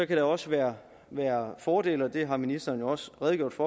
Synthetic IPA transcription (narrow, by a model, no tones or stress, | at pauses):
ɒ̽kʰæɾ̥ɑɒ̽səʋæːɐ | ʋæːɐfɒːde̝̰ːlɒ̽d̥e̝ɦɑ̈minisd̥ɐːnjo̝ɒ̽sʁɛð̞ˠɡ̥jo̝̰d̥fɒː